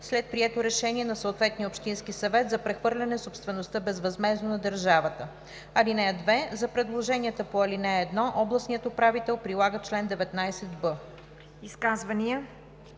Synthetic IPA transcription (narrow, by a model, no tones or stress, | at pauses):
slɛt̪̚pɾiɛt̪oɾɛʃɛniɛnɐsəot̪vɛt̪niopʃt̪inskisɐvɛt̪zɐpɾɛxvɤɾlʲɐnɛsopst̪vɛnost̪əbɛzvɐzmɛznonɐd̪əɾʒavət̪ə | ɐlinɛd̪vɛzɐpɾɛd̪lˠoʒɛniɛt̪əpoɐlinɛːd̪nɔʔɔblˠɐsnijət̪opɾavit̪ɛlˠpɾilˠaɡət͡ʃlɛnd̪ɛvɛt̪najsɛt̪bɤ | iskazvɐniə